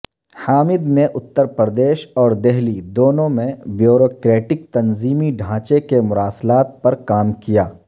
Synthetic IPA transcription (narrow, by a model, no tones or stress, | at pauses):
haːmɪd̪neʔʊt̪ːəɾpɾəd̪eːʃɔːɾd̪ɛɦlid̪oːnõmẽbjoːɾoːkɾeːʈɪk̚t̪ɐnziːmiɖʱãːt͡ʃekemʊɾaːslaːt̪̚pɐɾkaːmkijaː